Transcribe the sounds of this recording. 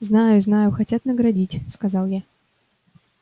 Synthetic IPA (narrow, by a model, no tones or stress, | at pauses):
znajʊznajʊxat͡sʲat̪nɐɡɾadʲit͡sʲskazawˠja